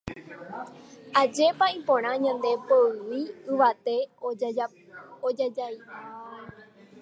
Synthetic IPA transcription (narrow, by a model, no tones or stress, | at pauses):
ad͡ʒe̞paĩpõɾ̃ãɲãnd̪e̞poɨʋiɨʋat̪e̞ | oad͡ʒai